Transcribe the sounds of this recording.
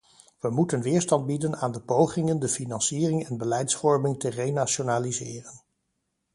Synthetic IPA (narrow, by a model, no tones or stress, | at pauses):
ʋəmutənʋɪːɹstɑnd̚bidənaːndəpowχɪŋəndəfinɑnsiːrɪŋɛnbəlɛjtsfɔɹmɪŋtərejnaʃonaːlizɪːrən